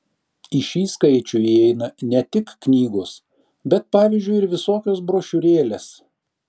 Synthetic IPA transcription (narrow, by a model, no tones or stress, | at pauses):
ɪʃʲiːskɐɪt͡ʃʲʊɛɪnɐnʲɛt̪ʲɪkːnʲiːɡʊs | bʲɛt̪̚pɑːʋʲɪːzʲd͡ʒʲʊɪɪɾʋʲɪsoːkʲoːs̬bɾoːʃʲʊɾʲeːlʲeːs